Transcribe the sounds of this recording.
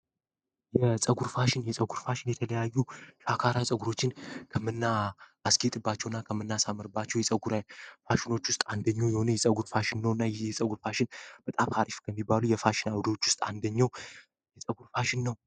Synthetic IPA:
jɛsʼəɡuɾfaʃɪnjɛsʼəɡuɾfaʃɪnjɛt̪ʰələjajːuʃakʰaɾasʼəɡuɾo̞t͡ʃːɪnkʰəmɨnːaːsɡet̪ʼɨbːat͡ʃːɛwɨnːakʰəmːɨnːasamːɨɾɨbat͡ʃːɛwjɛsʼəɡuɾajfaʃɪno̞t͡ʃːwʊst̪ʼand̪əɲːawjɛho̞nəjɛsʼəɡuɾfaʃɪnːəwɨnːajjɛsʼəɡuɾfaʃɪnb̥ət̪ʼamhaɾifkʰəmːibalujɛfaʃɪnawd̪o̞t͡ʃːwʊst̪ʼa̰nd̪əɲːaw | jɛsʼəɡuɾfaʃɪnːəw

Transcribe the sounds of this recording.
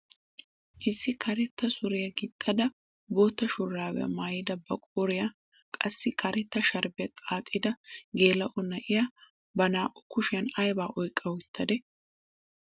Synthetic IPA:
ʔɪsːɪkʰɐɾɛt̪ːɐsʊɾɪjɐɡɪt̪ʼːɐd̪ɐ | boːt̪ːɐʃʊrːaːwɛ̰ɐ̰maːjɪd̪ɐbɐkʼoɾɪjɐ | kʼɐsːɪkʰɐɾɛt̪ːɐʃɐɾbɪɐt̪ʼaːt̪ʼːɪd̪ɐɡe̞ːlɐʔɔnɐʔɪjɐ | bɐnaːʔʼʊkʊʃɪjɐnɐjbaːʔɔjkʼːɐwʊt̪ʰːɐd̪ɛ

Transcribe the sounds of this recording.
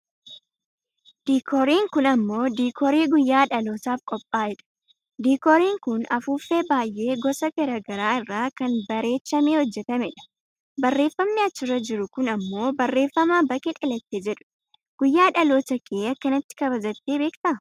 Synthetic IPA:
d̪̥iːkʰɔɾiːŋkʊnɐmːo̞ːd̪iːkʰɔɾeːɡʊjːaːᶑɐlo̞ːt̪aːfkʼɔpʼːaːɪᶑɐ̥ | d̪iːkɔɾiːŋkʊnɐfuːfːeːbaːjːe̞ːɡɔsɐɡɐɾɐɡɐɾaːɪrːaːkɐnbɐɾe̞ːtːɐmeːhɔd͡ʒːɛt̪ɐmɛᶑɐ̥ | bɐrːe̞ːfːɐmniɐt͡ʃːɪrɐd͡ʒɪɾʊkʊnɐmːo̞ːbɐrːe̞ːfːɐmaːbɐkʼeᶑɐlɐt̪ːeːd͡ʒɛᶑʊ̥ | ɡ̥ʊjːaːᶑɐlo̞ːt̪ɐkʰeːɐkːɐnɐt̪ːɪ̥kɐbɐd͡ʒɐt̪ːeːbeːkt̪ɐ

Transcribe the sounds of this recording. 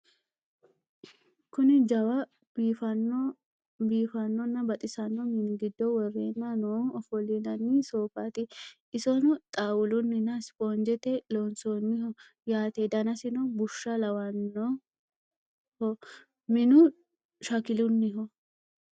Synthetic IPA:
kʊnɪd͡ʒɐwɐ | biːfɐn | biːfɐnːɔnːɐbɐt̪ʼɪsɐnːɔmɪnɡɪd̪ːɔwɔrːeːnːɐnoɔfɔlɪnɐnːɪsoːfat̪ɪ | ɪsɔnʊt̪ʼaːwʊlʊnːɪnːɐspʼond͡ʒɛt̪ɛloːnsonːɪhɔ | jaːt̪ed̪ɐnɐsɪnɔbʊʃːɐlɐwɐnːɔ | hɔ | mɪnʊ | ʃɐkɪlʊnːɪɦɔ

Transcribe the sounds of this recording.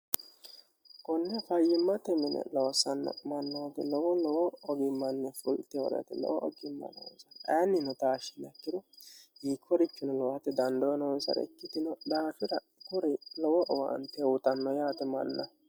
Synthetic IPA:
kɔnːɛfɐjːɪmːɐt̪ɛmɛnɛ̰lɔwsɐn̰ːmɐnːoːt̪ɪlɔwɔlɔwɔːɡɪmːɐnːɛfʊlt̪ɛɔ̰ɾɛ̰t̪ɪ̰lɔ̰wɔʔɔ̰ɡɪmːɐ̰no̰ɔ̰nsɐnɐɐnːɪnʊt̪aːʃɪ̥nɐkːɪd̪ʊhiːkʰːɔɾɪt͡ʃːʊnɛlɔwɐt̪ɛd̪ɐnd̪ɔnɔɔnsɐ̰ɾɛ̰kːɪt̪ɪnɔd̪aːfɪɾɐ | kʊɾɪlɔwɔʔɔwa̰nt̪ɛwʊt̪ɐnːɔjaːt̪ɛmɐ̰nːɐ

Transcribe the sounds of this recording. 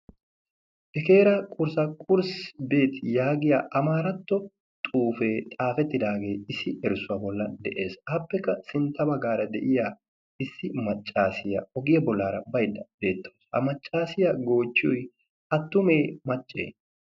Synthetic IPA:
ʔɛke̞ːɾɐkʼʊɾsɐkʼʊɾsbe̞ːt̪jaːɡɪjaːʔɐmaːɾɐt̪ːɔ | t̪ʼuːfe̞ːt̪ʼaːfɛt̪ːɪd̪aːɡe̞ːɪsɪɛɾsʊwɐbɔlːɐnd̪ɛʔe̞ːsɐpːɛkːɐsɪnt̪ːɐbɐɡaːɾɐd̪ɛʔɪjaː | ɪsːɪmɐt͡ʃʼːaːsɪjɐ̰ɔɡɪjɐbɔlːaːɾɐbɐjd̪ːɐbe̞ːt̪ːoːshɐ̰mɐt͡ʃʼːaːsɪjɐɡo̞ːt͡ʃːɪʊj | ʔɐt̪ːʊme̞ːmɐt͡ʃʼːḛː

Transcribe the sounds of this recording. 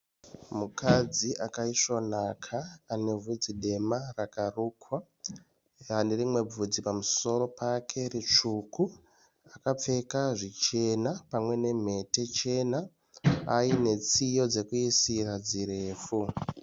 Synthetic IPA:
mukad͡ziʔakaiʂo̞nakʰaːne̞vʱud͡ziɗe̞marakaruːkwa | ane̞rimwe̞b͡vud͡zipamuso̞ɾo̞pʰakʰe̞rit͡ʂuku | akap͡fe̞kaʐit͡ʃe̞napamwe̞ne̞m̤e̞te̞t͡ʃe̞na | aine̞t͡sijo̞d͡ze̞kuisirad͡ziɾe̞ːfu

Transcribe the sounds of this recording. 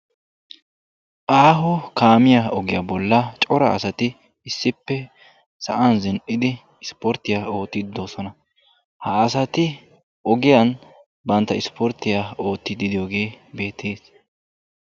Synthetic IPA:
ʔaːɦɔkaːmɪjaɔɡɪjabɔlːɐt͡ʃʼɔɾɐ̰ɐ̰sɐt̪ɪ | ɪsːɪpːɛ | sɐʔɐnzɪnʔɪd̪ɪ | ɪspɔɾt̪ːɪjaːo̞ːt̪ːɪd̪ːoːsɔnɐ | hɐːsɐt̪ɪ | ʔɔɡɪjɐn | bɐnt̪ːɐɪspʰɔɾt̪ːɪjao̞ːt̪ːɪd̪ɪd̪ɪjoːɡe̞ːbe̞ːt̪ʰːeːs

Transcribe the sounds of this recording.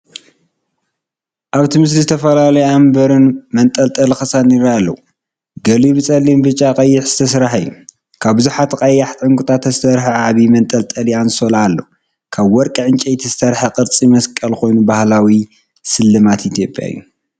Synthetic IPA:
ʔaβt̪ʰimɨs̬lizɨt̪ʰɐfɐlalɐjambɐɾɨnmɐnt̪ʼɐlt̪ʼɐlxɨsaniɾalːɐwu | ɡɐliβɨt͡sʼɐlimbɨt͡ʃʼːakʼɐjːɪħz̥ɨt̪ʰɐsɾaħɨjːu | kʰaβbɨzuħat̪qʼɐjaħt̪ʼʕɨŋkʼut̪ʰʼat̪azɨt̪ʰɐɾħaʕaβimɐnt̪ʼɐlt̪ʼɐlianɨsolalːɐ̰wu | kʰaβwɔɾkʼɐʕɨnt͡ʃʼɐjt̪ʰizɨt̪ʰɐɾħaqʼɨɾt͡sʼimɐskʼɐlko̞jnubahlawi | sɨlːɨmat̪ʔit̪ʰjo̞pʼja̰jːu

